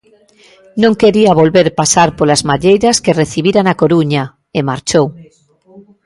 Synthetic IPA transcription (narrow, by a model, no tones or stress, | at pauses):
nõŋkeɾiaβ̞olβeɾpasaɾpolazmaʎejɾaskereθiβiɾanakoɾuɲa | emaɾt͡ʃow